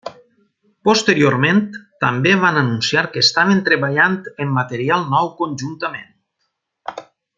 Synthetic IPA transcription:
post̪eɾioɾment̪ːambeβanənunsiaɾkəest̪aβent̪ɾeβaʎant̪emːət̪eɾialˠnɔwkonʲʒunt̪əmen

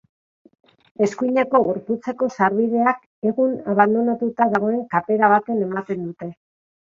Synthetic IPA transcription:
e̞skujɲe̞ko̞ɣuɾput͡se̞ko̞saɾβiðe̞ak | e̞ɣunaβand̪o̞nat̪ut̪aðaɣ̞o̞e̞ŋkape̞ɾaβat̪ene̞mat̪e̞nd̪ut̪e̞

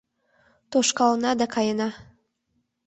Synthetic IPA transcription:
t̪oʃkɑlnɑd̪ɑkɑjənɑ

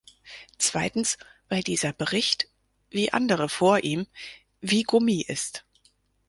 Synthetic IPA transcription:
t͡sv̥a̰ɪtn̩sv̥aɪldiːzɐbəʁɪçt | viːʔa̰ndəʁəfoːɐʔiːm | viːɡʊmiːʔɪst

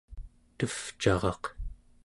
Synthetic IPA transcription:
t̪əft͡ʃɑʁɑq

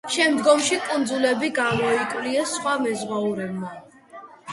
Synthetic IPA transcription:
ʃɛmd̪ɡɔmʃikʼund̪zulɛbiɡamɔikʼwliɛsχwamɛzʁwauɾɛbma

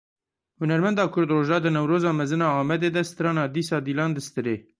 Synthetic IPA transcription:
hʊnɛɾmɛnd̪ɑːkʰʊɾd̪roːʒɑːd̪ɨnɛwɾoːzɑːmɛzɨnɑːɑːmɛd̪eːd̪ɛst̪ɨɾɑːnɑːd̪iːsɑːd̪iːlɑːnd̪ɨst̪ɨɾeː

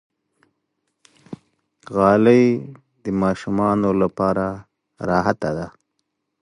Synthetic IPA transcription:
ɣɑləj | d̪əmɑʃumɑnolapɑɾa | ɾɑɦat̪ad̪a

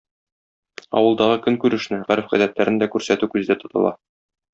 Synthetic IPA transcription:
ɒ̰wɤ̆lˠd̪ɑʁɤkɵŋkʉɾɘ̆ʃnɘʁæɾfʁæd̪æt̪læɾɘ̆nd̪ækʉɾsæt̪ʉkʉzɘ̆d̪æt̪ŏt̪ɤ̰̆lˠɑ̰

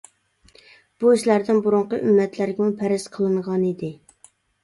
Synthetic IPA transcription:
b̥uiʃlæɾd̪ɪnbuɾʊɴqəʔymːɛt̪ʰlæɾɡʲɛmupʰæɾɪzqʰəlˠɨɴʁɑnid̪ɪ

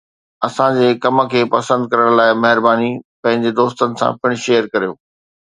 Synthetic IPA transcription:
ɐsãd͡ʑeːkɐmə̆kʰeːpɐsə̃nd̪̚kɐɾəɽ̃laːɪmɐɦɪɾbaːnipɐ̃ɦɪ̃ɲd͡ʑed̪oːst̪ənɪ̆sã̰pɪɽ̃ʃeːjəɾkɐɾijoː

